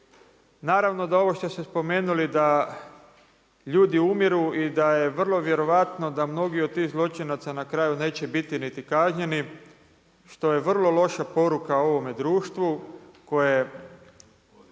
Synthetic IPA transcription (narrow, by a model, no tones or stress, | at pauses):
naːɾaʋno̞d̪ao̞ʋo̞ʃt̪o̞sespo̞me̞ːnulid̪a | ʎuːd̪iumiɾuʔid̪aje̞ʋr̩lˠo̞ʋjeɾo̞ʋat̪no̞d̪amno̞ɡiod̪̚t̪ːiːxzlˠo̞t͡ʃinat̪sanakɾajune̞ːt͡ɕe̞bit̪init̪ikaʒɲe̞ni | ʃt̪o̞je̞ʋr̩lˠo̞lˠo̞ʃapo̞ɾukao̞ʋo̞me̞d̪ɾuːʃt̪ʋuko̞je